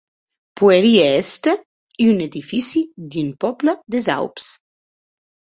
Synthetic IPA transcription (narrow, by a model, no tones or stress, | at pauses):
pueɾieɛst̪ə | iyned̪ifisid̪ynpɔpləd̪eza̰wps